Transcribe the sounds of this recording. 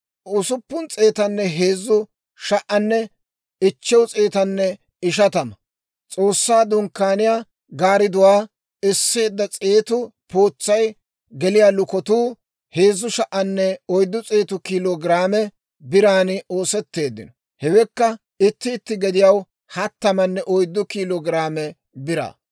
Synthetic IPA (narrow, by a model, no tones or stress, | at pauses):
ʊsʊpːʊnt͡sʼe̞ːt̪ɐnːɛɦeːzːʊ | ʃɐʔɐnːɛ | ɪt͡ʃːɛwt͡sʼeːt̪ɐnːɛ | ɪʃ̬ɐt̪ɐmɐ | t͡sʼo̞ːsːaːd̪ʊŋkːaːnɪjaː | ɡaːɾɪd̪ʊwaː | ɪsːe̞ːd̪ːɐt͡sʼeːt̪ʊpoːt͡sːɐj | ɡɛlɪjaːlʊkɔt̪uː | he̞ːzːʊʃɐʔɐnːɛɔjd̪ːʊt͡sʼeːt̪ʊkiːloɡɪɾaːmɛ | bɪɾaːnɪo̞ːsɛt̪ːe̞ːd̪ːɪ̰nɔ | hɛwɛkːɐ | ɪt̪ːɪːt̪ːɪɡɛd̪ɪjɐw | hɐt̪ːɐmɐnːɛʔɔjd̪ːʊkiːloːɡɾaːmɛ | bɪɾa̰ː